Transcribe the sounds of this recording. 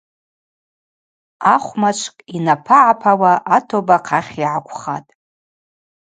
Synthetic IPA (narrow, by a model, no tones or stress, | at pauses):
aχʷmat͡ʃʷʰkʼinapʰaʕapʰawaʔatʰobaqʰaχʲiʕakʷʰʼχa̰tʼ